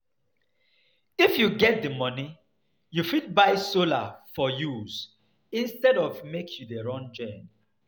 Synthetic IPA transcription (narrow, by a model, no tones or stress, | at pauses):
ifjuɡɛt̚dəmɔni | jufid̚baɪsola̰fɔjuz̥ | ĩnstɛdɔvmekjudeɹɔ̃nd͡ʒɔ̃n